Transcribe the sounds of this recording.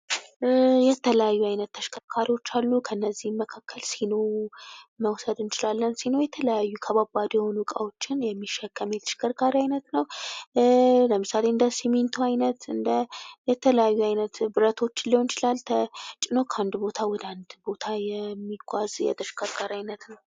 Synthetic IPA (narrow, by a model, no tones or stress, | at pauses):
jɛt̪ʰələjajːuajnət̪ːʰəʃkʰəɾkʰaɾiwo̞t͡ʃːalːukʰəɨnːəzːihməkʰakʰːəlsino̞wməwsəd̪ɨnt͡ʃʼɪlalːənsino̞jɛt̪ʰələjajːukʰəβabad̪jɛho̞nukʼawo̞t͡ʃːɪnjɛmːiʃːɛkːəmjɛt̪ʰə̥ʃkʰəɾkʼaɾiajnət̪nəw | ləmɨsale̞ɨnd̪əsiment̪ʰuajnət̪ɨnd̪əjɛt̪ʰələjajːuajnət̪bɨɾət̪ʰo̞t͡ʃːɪliho̞nt͡ʃɪlalt̪ʰət͡ʃʼɪno̞kʰəand̪bo̞t̪ʰawɔd̪əand̪bo̞t̪ʰajɛmːiɡʷʼazjɛ̰t̪ʰəʃkʰʼəɾkʼaɾiajnət̪nəw